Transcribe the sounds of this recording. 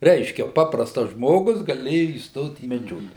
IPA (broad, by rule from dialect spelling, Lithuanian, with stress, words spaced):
ˈrʲɛɪʃʲkʲɛ ˈpɑːprɐstɐs ˈʒmoːɡʊs ɡɐˈlʲeːjʊ iːsˈtoːt iː mʲɛˈd͡ʒʲoːklʲɛ